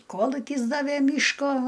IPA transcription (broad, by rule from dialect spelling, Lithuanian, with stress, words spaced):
ˈkoːlˠʊkʲɪs ˈdɑːʋʲeː ˈmʲiːʃkoː